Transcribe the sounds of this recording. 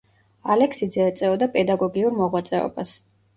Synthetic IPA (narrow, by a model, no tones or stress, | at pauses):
alɛksid̪zɛːt̪sʼɛɔd̪apʼɛd̪aɡɔɡiuɾmɔʁwat̪sʼɛɔ̰bas